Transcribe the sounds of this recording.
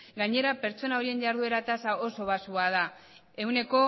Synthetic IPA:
ɡaɲe̞ɾape̞ɾt͡so̞nao̞ɾie̞nʝaɾðue̞ɾat̪asao̞so̞βasuað̞a | e̞wne̞ko̞

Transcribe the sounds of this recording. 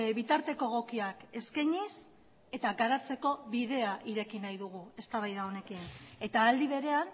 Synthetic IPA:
βit̪aɾt̪e̞ko̞ɣo̞kiake̞skajɲis | e̞t̪aɡaɾat͡se̞ko̞βiðe̞aʔiɾe̞kinajðuɣ̞ue̞st̪aβajðao̞ne̞kine̞t̪aːld̪iβ̞e̞ɾe̞an

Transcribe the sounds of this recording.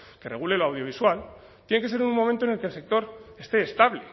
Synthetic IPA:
ke̞re̞ɣ̞ule̞loawðjo̞β̞iswal | t̪jene̞kes̬eɾunmo̞ment̪onelkelse̞k̚t̪o̞ɾe̞st̪e̞ːst̪aβle

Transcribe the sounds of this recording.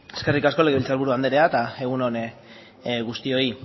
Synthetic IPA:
e̞ske̞rikasko̞le̞ɣeilt͡salβuɾuand̪eɾe̞at̪ae̞ɣ̞uno̞n | ɣust̪io̞i

